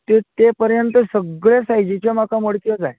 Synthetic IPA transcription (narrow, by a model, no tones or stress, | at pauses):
t̪et̪epəɾjənt̪əsəɡɭesajd͡ʑit͡ɕam̤akaməɽkjəd͡zaj